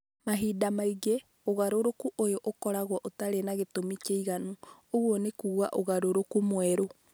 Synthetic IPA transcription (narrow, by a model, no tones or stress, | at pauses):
maɦidamaiɡe | oɣaɾoɾokuʔojɔʔokɔɾaɣwɔʔotaɾenaɣetomit͡ʃeiɣanuoɣwɔnekuːɣa̰ʔoɣaɾoɾokumwɛɾo